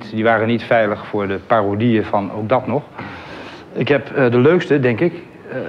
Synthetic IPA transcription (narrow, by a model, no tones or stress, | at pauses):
tdiʋaːrənitfɛjləχfʊːɹdəpaːrodijəvɑno̰wɡ̚dɑtnɔχ | ɪkɦɛpdəløɥkstədɛŋkɪk